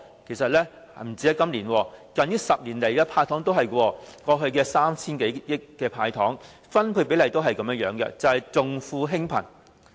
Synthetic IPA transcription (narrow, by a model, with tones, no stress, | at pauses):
kʰe˨˩jsɐ˨t̚lɛː˥ | m̩˨˩t͡siː˧˥ɐ˥kɐ˥mliː˨˩nwɔː˧kɐ˨nji˥sɐ˨p̚liː˨˩nle˨˩jkɛː˧pʰaː˧jt̪ʰɔː˨˥ŋt̪̬o˥wɦɐ˨jkwɔː˧kɔː˧ɦɵ˧ɥkɛː˧saː˥mt͡sʰiː˥nke˨˥j̚jɪ˥kːɛː˧pʰaː˧jt̪ʰɔː˨˥ŋ | fɐ˥npʰu˧jpe˨˥jlɐ˨jt̪o˥wɦɐ˨jkɐ˨˧˥mjɐ˥jœː˨˥ŋɡɛ̰˧t͡sɐ˨whɐ˨jt͡sʊ˨ŋfuː˧ɦɪ˥ŋpʰɐ̰˨˩n